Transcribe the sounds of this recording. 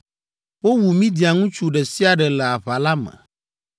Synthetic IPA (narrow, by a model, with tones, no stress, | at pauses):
wo˦wu˨mĩ˦d̪i˨a˨ŋũ˦t͡ʃu˦ɖɛ˨si˦a˨ɖɛ˨lɛ˨a˨βa˨la˦mɛ̰̃˨